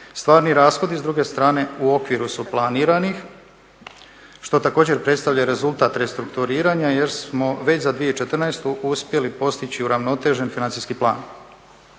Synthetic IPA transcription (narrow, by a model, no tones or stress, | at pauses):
st̪ʋaːɾniɾaːsxo̞d̪izd̪ɾuɡe̞st̪ɾaːne̞uo̞kʋiɾusuplˠaniːɾanix | ʃt̪o̞t̪ako̞ːd͡ʑe̞ɾpɾe̞t̪st̪avʎaeɾe̞zult̪aːt̪ɾest̪ɾukt̪uɾiːɾaɲaje̞ɾsmo̞ʋe̞t͡ɕzad̪ʋijeit͡ʃe̞t̪r̩najst̪uʔuspje̞lipo̞st̪it͡ɕiuɾaʋno̞t̪e̞ʒe̞nfinant̪iskiplˠa̰ːn